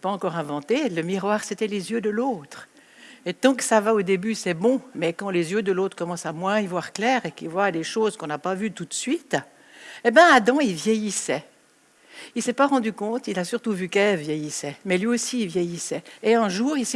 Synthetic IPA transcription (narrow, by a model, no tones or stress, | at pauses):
ɛpaɑ̃kɔʁɛ̃vɑ̃t̪eləmiʁwaːʁsɛt̪ɛlezjød̪əloːt̪χ | et̪ɑ̃kə̥savaod̪ebysɛbɔ̃mɛkɑ̃lezjød̪əlot̪χkɔmɑ̃samwɛ̃ivwaʁklɛːʁekivwad̪eʃoːzkɔ̃napavyt̪ut̪sɥit̪ | ebjɛ̃ad̪ɑ̃ilvjɛjisɛ | ilsɛpaʁɑ̃d̪ykɔ̃t̪ilasyʁt̪uvykɛlvjɛjisɛmɛlɥiosiːvjɛjisɛeɛ̃ʒuːʁilsɛ